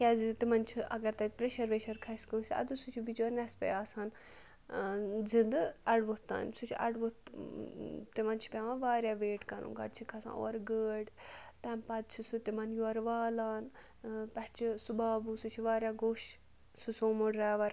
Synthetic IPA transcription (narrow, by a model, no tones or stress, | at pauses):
kʲaːzit̪imɐnt͡ʃʰiɐ̰ɡɐɾt̪ɐkpɾeʃɐɾʋeːʃɐɾkʰɐskɐːsiɐ̰d̪usut͡ʃʰubit͡ʃɐɾnɛspḛaːsaːn | zind̪ɨɐɽʋot̪a̰ːnsut͡ʃʰɐ̰ɽʋot̪ | t̪imɐnt͡ʃʰi̥pʲaʋãʋaːɾjaːʋeːʈkɐnṵ̃ɡɐ̰ɖt͡ʃʰikʰɐsã̰ːo̰ːɾɡəːɖt̪ɛ̃mpɐd̪̚t͡ʃʰisut̪imɐnjuɐɾʋaːlaːn | pɛʈt͡ʃʰisubaːbusut͡ʃʰiʋaːɾʲjaːɡoːʃ | susõːmoɽɾaːʋɐɾ